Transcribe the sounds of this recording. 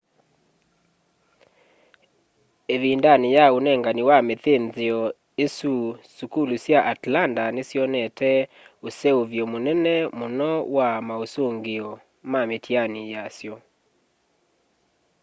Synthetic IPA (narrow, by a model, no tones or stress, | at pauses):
eðindanejaonɛŋɡaniwameθenzeɔ | esusukulusjaʔatlandanesjɔnɛtʰɛ | osɛoβjɔmonɛnɛmonɔwamaosoŋɡeɔ | mametʰianijasjɔ